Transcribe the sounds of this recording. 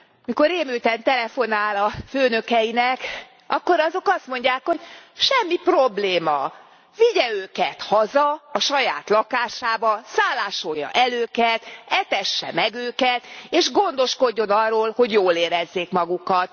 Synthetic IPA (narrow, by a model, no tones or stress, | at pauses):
miko̞ɾeːmylt̪ɛnt̪ɛlɛfo̞naːlɒføːnø̞kɛjinɛk | ʔɒkːo̞ɾɒzo̞kɒst̪mo̞ɲɟaːkho̞ɟʃɛmːipro̞bleːmɒ | viɟɛøːkɛt̪hɒzɒɒʃɒja̰ːt̪lɒkaːʃaːbɒsaːlːaːʃo̞jːɒ̰ʔɛløːkɛt̪ɛt̪ɛʃːɛ̰mɛɡøːkɛt̪eːʃɡo̞nd̪o̞ʃko̞ɟːo̞nɒrːoːlho̞ɟjoːleːɾɛzːeːkmɒɡukɒt̪